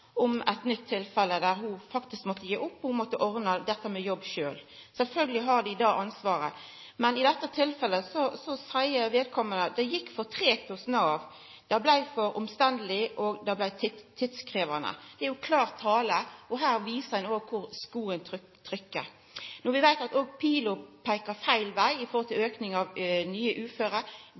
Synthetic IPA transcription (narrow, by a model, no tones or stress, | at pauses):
ɔmæt̪nʏt̪ʰːɪlfɛlːəd̪æɾɦʊfɑkt̪ɪskmɔt̪ːəjeːʔʊpːɔhʊmɔt̪ːəʔɔʁnəd̪ɛt̪ːəmɛjɔbːʃøːl | sɛlfœlɡəlɪɦɑʁd̪ɪɪd̪ɑːʔɑnsʋɑːɾə | mɛnɪd̪ɛt̪ːət̪ʰɪlfɛlːəsɔsɔsæɪəʋeːd̪̚kʰɔmːənəd̪ɛjɪkːfɔʁt̪ʰʁeːt̪ʰʊsnɑːʋ | d̪̥æblæɪfɔɾʊmst̪ɛnd̪əlɪʔoɡd̪ɑblæɪt̪ʰɪt̪ʰːɪt̪skʁeːʋənə̰d̪̥ɛæɾjʊkʰlɑːʁt̪ʰːɑːləɔɦæːʁʋiːsəænoːɡ̚kʰʊʁskuːənt̪ʰ | t̪ʰɾʏkːə̰ | nɔʋɪʋæɪt̪ɑt̪oːɡ̚pʰiːlʊpʰæɪkəfæɪlʋæɪɪfɔʁhɔlt̪ʰɪløːknɪŋɑʋnyːəʔʉːføːɾə